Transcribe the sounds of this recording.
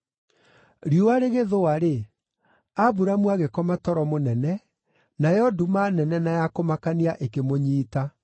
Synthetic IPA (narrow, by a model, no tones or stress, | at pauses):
ɾiowaɾeɣeðowaɾe | abuɾamwaɣekɔmatɔɾɔmonɛnɛ | najɔdumanɛnɛnajakomakaniaʔekemoɲiːta